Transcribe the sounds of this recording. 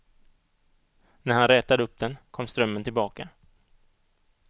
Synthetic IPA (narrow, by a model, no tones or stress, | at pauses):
næɾhanɾɛːt̪ad̪əɵp̚d̪ɛnkʰɔmːst̪ɾœmːənt̪ʰɪlbɑːka